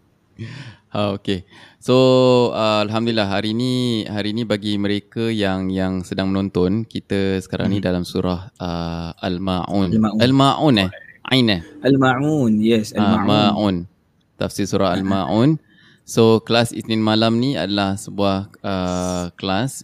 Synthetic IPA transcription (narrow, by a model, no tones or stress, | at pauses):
aoke | soəalɦamdulilaɦɦaɾinihaɾinĩbaɡiməɾekəjaŋjaŋsədaŋmənõnt̪ɔnkit̪əsə̥kaɾa̰ŋnidalamsuɾahʔəʔalmaʔṵnalmaʔunɛhʔã̰inɛhalmaunjɛsaamaʔun | t̪a̰fsilsuɾʔaɦa̰lmaʔun | soklasḭsnĩnmalamnia̰dalahsəbuahəklas